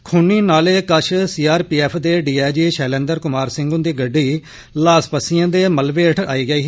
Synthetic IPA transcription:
kʰʊniːnaːleːkəʃʰsiːaːɾpiːɛːpʰd̪eːɖiːaːd͡ʒiːʃɛːlɛ̃ːnd̪əɾkʊmaːɾsɪ̃ŋɡʊnd̪iːɡəɖːiː | laːspəsɪjãːd̪eːməlʋeːəʈʰa̰ːiːɡəiː

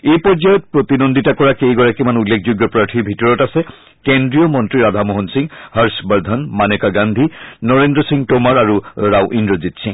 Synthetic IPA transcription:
ejpɔɹzajɔt̪̚pɹot̪inond̪ʱitakɔɹakiejɡɔɹakimanulːekʰd͡ʑuɡjɔpɹaɹʈʰibʱitɔɹɔtasɛ | kendɹiɔmɔntɹiɹad̪ʱamoɦɔnsiŋhaɹsbaɹd̪ʱɔnmanekaɡand̪ʱinɔɹendɹɔsiŋtomaɹaɹuɹawʔinɹozitsiŋ

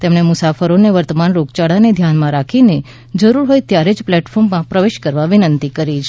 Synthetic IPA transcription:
t̪emɳemʊsafəɾoneʋəɾt̪əmanɾoɡt͡ʃaɽaned̪ʱjanmãɾakʰine | d͡ʒəɾuɾɦojt̪jaɾed͡ʒplɛʈfʰɔɾmːãpɾəʋeʃkəɾʋaʋɪnənt̪ikəɾit͡ʃʰ

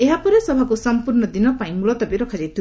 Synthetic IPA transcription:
eɦapɔɾesɔbʱakusɔmpuɾɳɔd̪inɔpaj̃mulɔt̪ɔbiɾɔkʰad͡ʒit̪ʰu

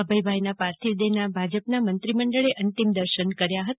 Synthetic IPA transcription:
əbəjbʱajnapaɾt̪ʰid̪enabʱad͡ʒəpnamənt̪ɾiməɳɖəɭeʔənt̪imd̪əɾʃənkəɾjaɦət̪

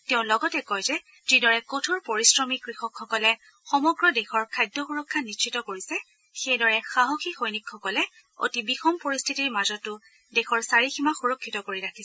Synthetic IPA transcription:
teʊ̃lɔɡɔtɛkɔjzɛ | z̥idɔɹɛkɔtʰɔɹpoɹisɹɔmikɹixɔkxɔkɔlɛ | xɔmɔɡɹɔdexɔɹkʰajdɔxuɹɔkʰːanist͡ʃʰitɔkoɹisɛ | xejdɔɹɛxaɦoxixojnikʰːɔkɔlɛ | o̰tibixɔmpoɹistʰitiɹmazɔtːʊ | dexɔɹsaɹiximaxuɹɔkʰːitɔkoɹiɹakʰis

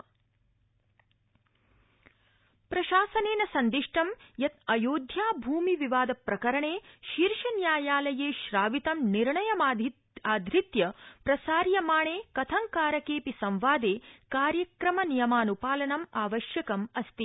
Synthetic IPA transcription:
pɾɐʃaːsɐneːnɐsɐnd̪iʂʈɐmjɐt̪ɐjoːd̪ʱjaːbʱuːmiʋiʋaːd̪ɐpɾɐkɐɾɐɳeːʃiɾʂɐnjaːjaːlɐjeːʃɾaːʋit̪ɐmniɾɳɐjɐmːd̪ | aːd̪ʱɾit̪jɐpɾɐsaːɾjɐmaːɳeːkɐt̪ʰɐŋkaːɾɐkeːpisɐ̃mʋaːd̪eːkaːɾjɐkɾɐmɐnijɐmaːnupaːlɐnɐmaːʋɐʃjɐkɐmɐst̪i

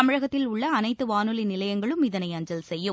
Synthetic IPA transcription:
ɐmɪɻɐɣɐt̪ːɪlʊɭːɐːnɐɪt̪ːɯʋaːnɯlinɪlɐjɐŋɡɐɭɯmɪðɐnɐɪɐɲd͡ʒɐlsɛjːɯ

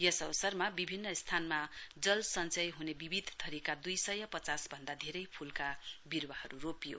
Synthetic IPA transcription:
jʌsʌβʌsʌrmabibʱinːʌst̪ʰanmad͡zʌlsʌnt͡sʌjɦunebibʱid̪ʱt̪ʌɾikad̪ujsʌjʌpʌt͡sasbʱʌnd̪ad̪ʱeɾʌjpʰulkabirwahʌɾuropijo̰

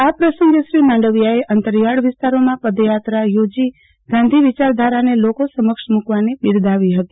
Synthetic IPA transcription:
apɾəsə̃ŋɡəʃɾimãɳɖəʋjaeʔənt̪əɾjaɽʋɪst̪aɾomãpəd̪jat̪ɾajod͡ʒi | ɡ̥ãnd̪ʱiʋit͡ʃaɾd̪ʱaɾanelokosəməkʃmukʋaniɓɪɾd̪ʱaʋiɦət̪i̥

